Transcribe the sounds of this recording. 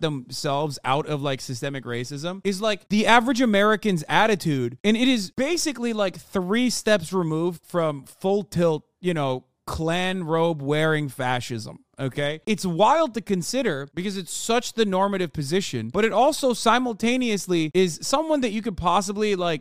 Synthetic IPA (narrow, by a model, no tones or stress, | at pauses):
ðɨ̃msɛlˠvza̰ʊɾʌvlaɪksɨstɛmɨkɹeɪsɪzə̃mɨzlaɪk̚ðiævɹɨd͡ʒɨmɛɹɨkɨ̃nzæɾɨtʰʉdɨ̃ñɨɾɪzb̥eɪsɨklilaɪkθɹistɛpsɹɨmuvd̥fɹʌ̃mfʊlˠtʰɪlˠt̚jɨñoʊ | kʰl̥æ̃nɹoʊbwɛɹɪ̃ŋfæʃɪ̰zə̰̃m | oʊkʰeɪɨtswaɪlˠd̚tɨkɨ̃nsɪɾə˞b̥ɨkʌzɨtsʌt͡ʃðɨnɔɹmɨɾɨv̥pʰɨzɪʃɨ̰̃nb̥ʌɾɨɾɔlˠsoʊsãɪ̃ml̩ˠtʰẽɪ̃niɨsliɪz̥sʌ̃mwʌ̃nðɨt͡ʃɨkɨ̃d̚pʰɑs̬əblilaɪk̚